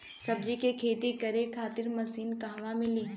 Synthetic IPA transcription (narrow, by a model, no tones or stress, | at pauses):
sɐb̚d͡ʒikekʰeːd̪ikɐɾekʰaːt̪ɪɾmɐsiːnkaɦʋamɪliː